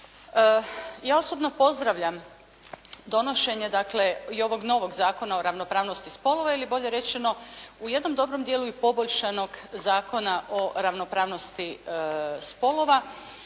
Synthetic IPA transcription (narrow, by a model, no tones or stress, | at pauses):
jaːo̞sobno̞po̞zd̪ɾaʋʎam | d̪o̞no̞ʃe̞ɲe̞d̪akle̞io̞ʋo̞ɡno̞ʋo̞ɡzaːko̞naoɾaʋnopɾaːʋno̞st̪ispo̞lˠo̞ʋailibo̞ʎe̞ɾe̞t͡ʃe̞no̞uje̞d̪no̞md̪o̞bɾo̞md̪je̞luipo̞boʎʃano̞ɡzaːko̞naʔo̞ɾaʋno̞pɾaːʋno̞st̪i | spo̞lˠo̞ʋa